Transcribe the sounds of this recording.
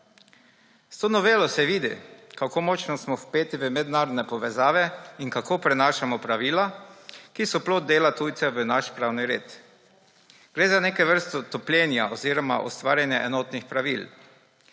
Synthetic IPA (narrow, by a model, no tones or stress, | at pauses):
st̪oːnɔʋeːlɔsɛʋiːd̪ḭkakoːmɔt͡ʃnɔsmɔspeːt̪iʋəmɛd̪naːɾɔd̪nɛpɔʋɛzaːʋɛinkakoːpɾɛnaːʃamɔpɾaʋiːlakisɔploːd̪̚d̪eːlat̪ujt̪sɛʋənaʃpɾaːwniɾḛːt̪ | ɡ̥ɾeːzaneːkɛʋəɾst̪ɔt̪ɔplʲjɛːnjaʔɔziːɾɔma̰ʔɔ̰st̪ʋaːɾjanjaʔɛnɔːt̪nixpɾaʋil